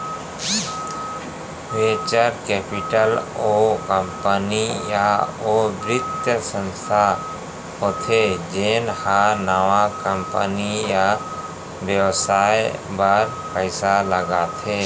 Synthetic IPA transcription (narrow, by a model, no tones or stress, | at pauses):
weːt͡ʃəɾkɛːpɪʈəlokəmpənijaoːbɾɪt̪əsə̃nst̪ʰa | ɦoːt̪ʰed͡ʒeːnhanawakəmpənija | bjəwsaːebaɾ | pəɪsaləɡat̪ʰeː